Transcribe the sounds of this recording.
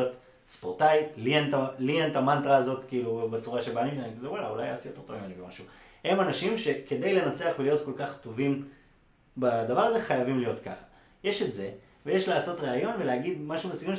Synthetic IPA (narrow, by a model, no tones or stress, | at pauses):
ot | spoʁtaitlientalientamant̪ʁaːzo̞t̪kiːlubet͡suʁaʃe̞banimanikzewala̰ula̰ja̰ːsijote̞ʁtovimanibemaʃu | he̞manaʃimʃe̞ke̞d̪ejle̞nat͡se̞aχvelijo̞tko̞lkaχto̞vim | bad̪avaʁaze̞χajavimlijo̞t̪kaχḁ | jeʃe̞tze̞ | vejeʃlaːso̞tʁeajo̞nve̞leaɡid̪maʃumesikum